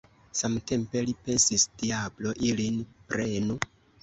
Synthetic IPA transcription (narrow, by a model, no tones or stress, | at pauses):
samte̞mpe̞lipe̞nsisd̥iablo̞ʔilinpɾe̞nu